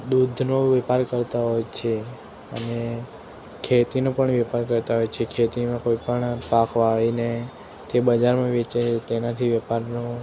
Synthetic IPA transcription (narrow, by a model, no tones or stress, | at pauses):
d̪ud̪ʱnoʋɛpaɾkəɾt̪aɦojt͡ʃʰe | ə̰ne | kʰet̪inopəɳʋɛpaɾkəɾt̪aɦojt͡ʃʰekʰet̪imãkoipəɳpakʰʋaɭine | t̪ebəd͡ʒaɾmãʋet͡ʃet̪enat̪ʰiʋəpaɾno